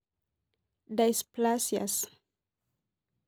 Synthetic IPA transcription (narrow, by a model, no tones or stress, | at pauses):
d̪ajsplasja̰s